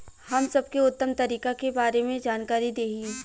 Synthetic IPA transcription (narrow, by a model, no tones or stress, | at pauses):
hɐmsɐb̚keʊt̪ːəmt̪ɐɾiːkakebaːɾemẽd͡ʒaːnkaːɾid̪eːɦi